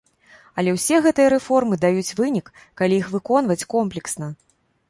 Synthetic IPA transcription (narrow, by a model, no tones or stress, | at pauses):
ɐlʲɛwsʲɛɣɛt̪ɨjɐɾɛfɔrmɨd̪ajut͡sʲvɨnʲikː | alʲijixvɨkɔn̪vɐt͡sʲkɔmplʲɛksnɐ